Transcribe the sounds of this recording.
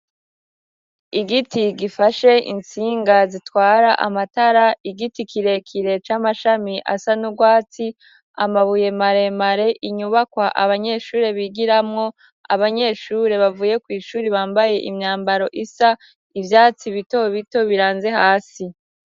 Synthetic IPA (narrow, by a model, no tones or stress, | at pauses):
iɡitiɡifaʃe̞ʔḭnt͡siːŋɡazitwaːɾaʔa̰mataɾaiɡitikʰiɾe̞kʰiɾe̞t͡ʃaːmaʃamiʔa̰sanuɡwaːt͡si | a̰maβuje̞maɾe̞maɾe̞ʔiɲuβakwaʔa̰βaɲe̞ʃuːɾe̞βiɡiɾamŋo̞ | a̰βaɲe̞ːʃuːɾe̞βavuːje̞kwiːʃuːɾiβaːmbaje̞ʔimɲaːmbaɾo̞ʔisa | ivjaːt͡siβito̞βito̞βiɾaːnze̞haːsi